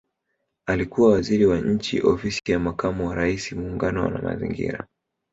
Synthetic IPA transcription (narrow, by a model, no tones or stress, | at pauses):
alikuwawaziɾiwaɲ̩t͡ʃḭʔɔfisijamakʰamuwaɾaisimuːŋɡanɔwa̰na̰ma̰zḭŋɡḭɾa